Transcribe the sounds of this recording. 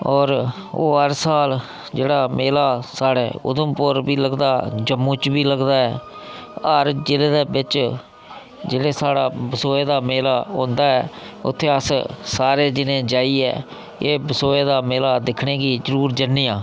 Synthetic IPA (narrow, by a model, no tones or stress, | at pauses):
ɔːɾ | o̰ːɦəɾsaːl | d͡ʒeːɽaːmeːlaːsaːɽeːʊ̰d̪əmpʊɾbiːləɡd̪aːd͡ʒəmːũːt͡ʃbiːləɡd̪aːɛː | əɾd͡ʒɪleːd̪eːbɪt͡ʃ | d͡ʒeːɽeːsaːɽaːbəsoːeːd̪aːmeːlaːõːnd̪aːɛː | ʊ̰t̪ʰːeːəssaːɾeːd͡ʒɪnẽːd͡ʒaːiːɛ̰ː | eːbəsoːeːd̪aːmeːlaːd̪ɪkʰɳẽːɡiːd͡ʒəɾuːɾd͡ʒənːijãː